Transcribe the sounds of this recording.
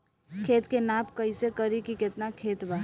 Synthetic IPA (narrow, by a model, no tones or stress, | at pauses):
kʰeːt̪kenaːpkəisekəɾikikɪt̪nakʰeːt̪ba